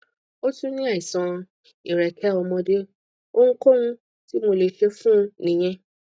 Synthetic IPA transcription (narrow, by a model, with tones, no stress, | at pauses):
o˦tũ˦nĩ˦a˦˨i˨sã˧ | i˨ɾɛ˨kʰɛ˨˦ɔ˧mɔ̃˧de˦ | o˦ŋ̩˦ko˦ũ˧˦ | ti˦mo˧le˨ʃe˧fũ˦nĩ˨j̃ɛ̃˧˦